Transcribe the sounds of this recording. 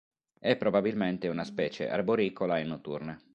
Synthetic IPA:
ɛpːɾobabilment̪eunaspɛːt͡ʃḛʔa̰rboɾikolaenːot̪ːṵrne

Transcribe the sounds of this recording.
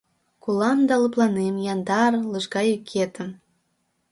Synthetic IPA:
kulɑmd̪ɑləplˠɑnemjɑnd̪ɑrləʒɣɑjykʰet̪əm

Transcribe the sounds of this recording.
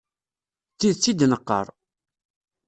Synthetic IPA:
t͡sːiðt͡sːid̪nəqːə̰ɾˤ

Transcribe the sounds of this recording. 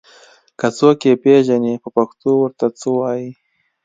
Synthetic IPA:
kat͡sokepeʒanepəpaxt̪owəɾt̪at͡sowɑji

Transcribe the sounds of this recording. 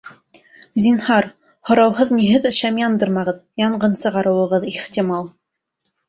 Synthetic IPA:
zʲinhɑɾ | hŏɾɑwhɤðniɦɘðɘ̆ʃæmjɑnd̪ɤɾmɑʁɤðjɑɴɢɤnsɤ̆ʁɑɾɤ̆wɤ̆ʁɤðiχt̪ʲimɑlˠ

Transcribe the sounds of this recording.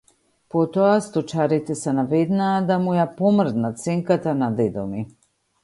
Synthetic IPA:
pɔt̪ɔast̪ɔt͡ʃaɾit̪ɛsɛnavɛd̪naːd̪amujapɔmr̩d̪natt̪sɛŋkat̪anad̪ɛd̪ɔmi

